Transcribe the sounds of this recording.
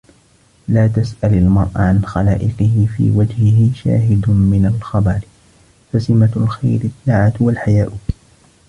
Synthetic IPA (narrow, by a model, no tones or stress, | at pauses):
laːt̪asʔalalmɑɾˤʔaʕanxalaːʔɪqɨhɪfḭːwad͡ʒhɪɦɪʃa̰ːɦɪd̪mɪnalxɑbɑɾ | fasɪmalxajɾɪt̪ːaʕat̪walħajaːʔʊk